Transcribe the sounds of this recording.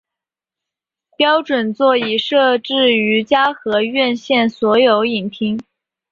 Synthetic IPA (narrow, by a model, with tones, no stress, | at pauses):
pjɑ˥ʊʈ͡ʂwə˨˩nt͡swɔ˥˩i˨˩ʂɤ˥˧ʈ͡ʂɻ̩˥˩y˧˥t͡ɕja˥xɤ˧˥ɥɛ˥˧nɕjɛ˥˩nswɔ˧˥jo˧˥ʊi˨˩ŋpʰi˥ŋ